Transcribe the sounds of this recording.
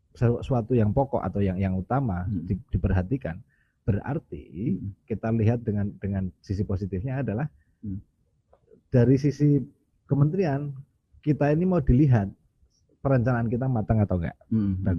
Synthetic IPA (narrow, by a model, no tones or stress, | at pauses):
səsuat̪ujaŋpɔkɔ̰ʔa̰t̪awjaŋjaŋut̪amadid̥ipərɦat̪ika̰n | b̥əra̰rt̪ḭkit̪aliɦat̪̚dəŋand̥əŋansisiposit̪ɪfɲaːdalah | d̥aɾisisi | kəmənt̪ɾian | kit̪ainimaudiliɦat̪̚ | pəɾaɲt͡ʃanaʔːnkit̪amat̪aŋat̪awŋɡa̰ʔda